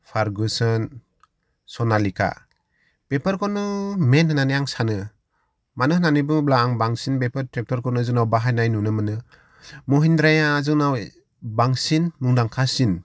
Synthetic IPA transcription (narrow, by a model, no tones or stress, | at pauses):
pʰaɾɡɯsɯn | sɔnalikʰa̰ | b̥epʰɯɾkʰɔnɯmenɦɯnanijaŋsanɯ | manɯhnanɯbɯblaːŋbaŋsinbepɯɾtɾek̚tɔɾkʰɔnɯzɯŋnawbaɦajnajnunɯmɯnɯ | mɔɦindɾajazɯŋnaw | baŋsinmuŋdaŋkʰasin